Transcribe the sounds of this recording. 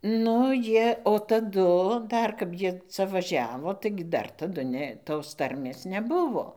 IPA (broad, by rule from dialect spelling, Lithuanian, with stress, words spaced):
ˈnʊ ˈjiɛ oː tɐˈdʊ ˈdɐr kɐp ˈjiɛ ˈt͡sɐ ʋɐˈʒʲæːʋoː ˈtɐɪɡʲɪ ˈdɐr tɐˈdʊ ˈnʲɛ toːs ˈtɐrʲmʲeːs nʲɛˈbʊʋoː